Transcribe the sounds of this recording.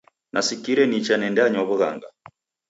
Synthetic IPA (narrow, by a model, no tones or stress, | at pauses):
nʔasikiɾɛnit͡ʃanɛndɛaɲɔβuɣa̰ŋɡa